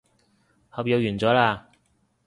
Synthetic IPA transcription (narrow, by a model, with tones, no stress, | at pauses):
hɐ˨˧˩pjɐ˨˧wjyː˨˩nt͡sɔː˨˥laː˧